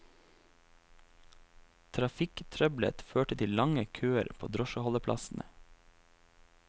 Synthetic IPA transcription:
t̪ʰɾɑfɪkt̪ʰɾœblə̰t̪føːʈət̪ʰɪllɑŋəkʰøːəɾpʰo̰ːd̪ɾɔʃəhɔləpʰlɑ̰sn̩ʔə̰

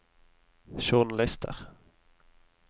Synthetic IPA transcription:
ʃunlɛst̪ʰə̰ʁ

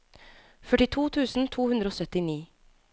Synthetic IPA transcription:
fœʈɪt̪ʰuːt̪ʰʉːsn̩t̪ʰuːhʉnd̪ɾoːsœt̪ɪniː

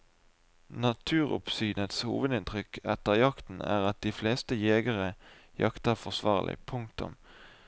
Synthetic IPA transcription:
nɑt̪ʰʉːʁʊ̰psyːnət̪shṵːʋəd̪ɪnt̪ʁʏkɛ̰t̪əʁjɑkt̪n̩æ̰ːʁɑt̪̚d̪iːfleːst̪əjeːɡəʁəjɑkt̪əʁfɔʁsʋɑːʁlʔɪ̰pʰʊŋkt̪ʊ̰m

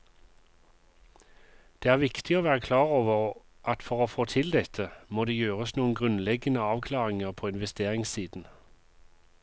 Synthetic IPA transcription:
d̪̥eːæːʁʋɪkt̪ɪoːʋæːʁəkʰlɑːʁoːʋəʁ | ʔɑt̪fɔʁoːfoːt̪ʰɪld̪ɛt̪ʰəmoːd̪eːjøːʁəsnuːənɡʁʉnlɛɡənəɑːʋkʰlɑːʁɪŋəʁpʰoːɪnʋɛst̪eːʁɪŋsiːd̪n̩

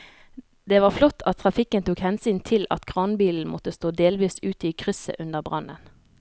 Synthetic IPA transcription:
d̪eːʋɑːʁflɔt̪ːʰɑt̪ʰːʁɑfɪkːənt̪uːkhɛnsyːnt̪ʰɪlɑ̰t̪kʰʁɑːnbiːln̩mɔt̪əst̪oːd̪eːlʋiːsʉːt̪iːkʰʁʏsə̰ʔʉnd̪əʁbʁɑ̰nə̰n

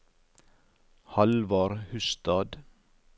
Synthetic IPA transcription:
hɑlʋɑɾhʉst̪ɑːd̪

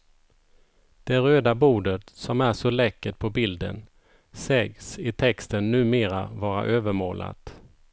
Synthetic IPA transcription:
d̪̥ɛɾøːd̪abuːɖət̪sɔmæʂɔlɛkːət̪̚pʰɔbɪld̪ə̰n | sɛɡsɪt̪ʰɛkst̪ənːʉ̟ːmeːɾavɑːɾa̰ʔøːvəɾmo̰ːla̰t̪

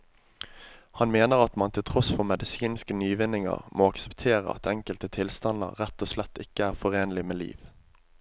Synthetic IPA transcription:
hɑnmeːnəʁɑt̪mɑnt̪ʰɪlt̪ʰʁɔsfɔʁmɛd̪ɪsiːnskənyːʋɪnːɪŋə̰ʁmʔoːɑksə̥pt̪ʰeːʁə̰ɑ̰t̪ʰɛŋkəlt̪ət̪ʰɪlst̪ɑnə̰ʁʁæt̪ːoːslɛt̪ːɪkːəæːʁfɔʁeːnlɪmeːlḭːʋ

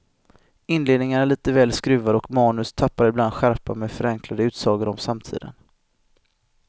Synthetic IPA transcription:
ɪnːleːd̪nɪŋanæɭiːt̪əvɛːlskɾʉ̟ːvad̪ɔkmɑːnɵst̪ʰapːaɾɪbland̪ɧæɾpameːfœɾɛŋklad̪əʉ̟ːt̪sɑːɡəɾɔmsamt̪ʰḭːd̪ə̰n

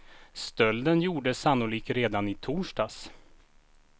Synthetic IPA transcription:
st̪œld̪ənjuːɖəsanːʊliːk̚t̪ɾeːd̪anɪt̪ʰuːʂʈaːs

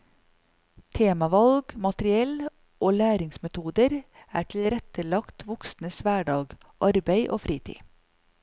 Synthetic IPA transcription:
t̪ʰeːmɑʋɑlɡmɑt̪ɾɪɛl | ʔoːlæːɾɪŋsmɛt̪ʰuːd̪əɾæːʈʰɪl̩ɾɛt̪əlɑkt̪ʰʋʊksnəsʋæːɖɑːɡ | ʔɑɾbeɪʔo̰ːfɾiːt̪ʰḭː

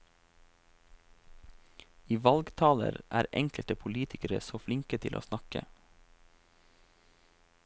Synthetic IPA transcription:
iːʋɑlɡt̪ʰɑːlə̰ɾʔæːɾʔɛŋkəlt̪əpʰʊliːt̪ʰɪkəɾəsoːflɪŋkət̪ʰɪlʔo̰ːsnɑkə̰

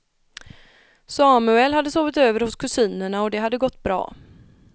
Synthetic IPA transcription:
sɑːmʉɛlːhad̪ːəsoːvɪt̪øːvəɾhʊskʰɵsiːnəɳaɔd̪ɛɦad̪ːəɡɔt̪ːbɾɑ̰ː

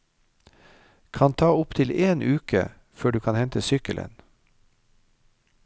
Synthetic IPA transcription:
kʰɑnt̪ʰɑːʊpt̪ʰɪleːnʔʉːkə̰ | føːɖʉːkʰɑːnhɛnt̪əsʏkəlʔə̰n

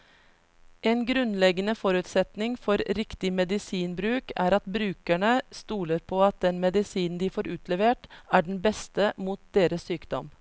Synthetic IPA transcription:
ʔɛnɡɾʉnlɛɡənəfɔɾʉːt̪sɛt̪nɪŋfɔɾɾɪkt̪ɪmɛd̪ɪsiːnbɾʉːkæːɾɑt̪bɾʉːkæɳəst̪uːləɾpʰoːɑt̪̚d̪ɛnmɛd̪ɪsiːnn̩d̪iːfoːɾʉːt̪ʰlɛʋeːʈæːɖɳ̩bɛst̪əmuːt̪̚d̪eːɾəssyːkd̪ɔ̰m

